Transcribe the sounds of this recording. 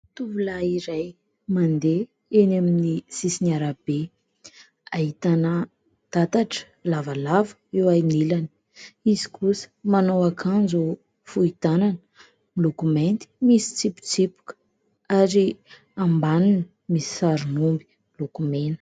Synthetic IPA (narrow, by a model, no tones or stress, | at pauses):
t̪uvulaiɾaj | mand̪e | enaminisisinaɾab̥e | aɦit̪anə | d̪̥at̪aʈ͡ʂə̥ | lavalavə̥ewajnilani̥ | izi̥kʰusə̥manowakʰand͡zu | fuit̪ananə | milokument̪i̥misi̥t͡sipu̥t͡sipu̥kə̥ | aɾi | ambanunə | misi̥saɾunumbi̥ | ilokumenə̥